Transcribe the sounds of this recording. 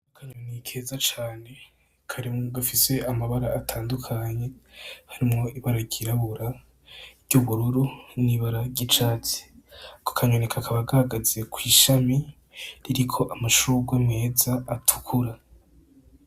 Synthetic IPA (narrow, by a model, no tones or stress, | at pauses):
okʰaɲonikʰe̞ːzat͡ʃaːne̞ | kʰaɾimoɡafise̞ʔamaβaɾaatʰaːndukʰaɲe̞haɾimŋo̞iβaɾaɟiɾaβuɾa | ɾɟ̥uβuɾuɾuniβaɾaɟit͡ʃat͡se̥ko̥kʰaɲonekʰakʰaβaɡahaɡazekʰwiːʃami | ɾiɾikʰo̞ʔamaʃuɡwemŋe̞ːzaːtʰu̥kʰuɾa